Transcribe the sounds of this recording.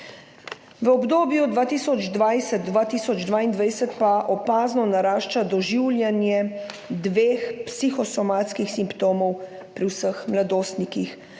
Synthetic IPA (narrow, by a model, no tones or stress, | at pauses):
ʋəɔbd̪oːbjud̪ʋaːt̪iːsɔd͡ʒd̪ʋajsɛt̪̚d̪ʋaːt̪iːsɔd͡ʒd̪ʋaːind̪ʋajsət̪paʔɔpaːznɔnaɾaːʃt͡ʃad̪ɔʒiwljanjɛ | d̪ʋeːxpsixɔsɔmaːt̪skixsimpt̪oːmɔw | pɾiwsəxmlad̪oːst̪nikix